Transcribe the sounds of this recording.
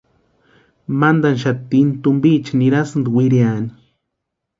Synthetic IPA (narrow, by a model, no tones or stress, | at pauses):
mand̪anʃat̪int̪umbit͡ʃiniɾasnd̪wiɾjani